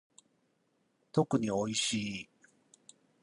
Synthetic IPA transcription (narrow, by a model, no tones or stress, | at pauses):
t̪o̞kɯ̟ɲ̟io̞iɕiː